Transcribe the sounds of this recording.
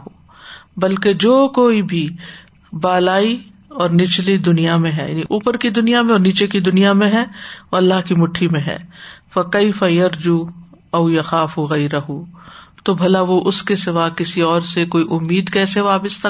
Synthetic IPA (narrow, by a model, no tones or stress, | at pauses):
ɦoː | bɐlked͡ʒoːkoːibʱi | baːlaːi | ɔːɾnɪt͡ʃlid̪ʊnijamẽɦɛ̰ja̰ːniʔuːpəɾkid̪ʊnijamẽɔːɾniːt͡ʃekid̪ʊnijamẽɦɛoɐlːaɦkimʊʈʰːimẽɦɛ̰ːfɐkeɪfɐjɐɾd͡ʒuː | ɐʊjɐxaːfuɣɐɪɾɐɦut̪obʱɐlaʋoʔʊskesɪʋaːkɪsiɔːɾsekoːiʔʊmːiːd̪kɛːseʋaːpəst̪ʰɐ